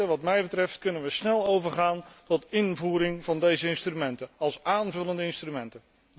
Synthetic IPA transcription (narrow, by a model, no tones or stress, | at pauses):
əʋɑtmɛjbətrɛftkɵnənʋəsnɛlˠowvəɹχaːntɔtɪnvuːɾɪŋvɑndejzəɪnstrymɛntənɑlˠsaːnvɵləndəɪnstrymɛntə